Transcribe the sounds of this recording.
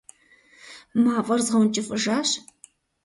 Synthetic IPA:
maːvʼɐrzʁɐwnt͡ʃʼɪfʼɨʒaːɕ

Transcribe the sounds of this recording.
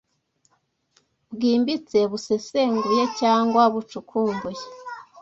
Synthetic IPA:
βɡiːmbit͡se̞βusese̞ːŋɡije̞caːŋɡwaβut͡ʃukʰuːmbuje

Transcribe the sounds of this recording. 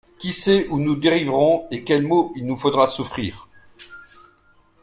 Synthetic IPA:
kʲisɛʔunud̪eʁivʁɔ̃ekʲɛlmoilnufod̪ʁasufχiːʁ

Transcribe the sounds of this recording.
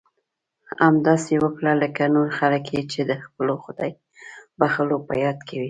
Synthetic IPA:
amd̪ɑsewəkɽaləkanoɾxaləkjet͡ʃed̪əxpəloxʊd̪ɑj | baxəlopə̰jɑd̪kʰawi

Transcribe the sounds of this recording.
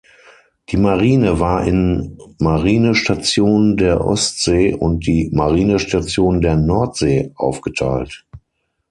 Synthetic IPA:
d̥iːmaʁiːnəvaːɐʔɪ̰nmaʁiːnəʃtat͡sjoːndeːɐʔɔ̰stz̥eːʔʊ̰nt̚d̥iːmaʁiːnəʃtat͡sjoːndeːɐnɔɐtz̥eːʔa̰ʊfɡ̥ətʰa̰ɪlt

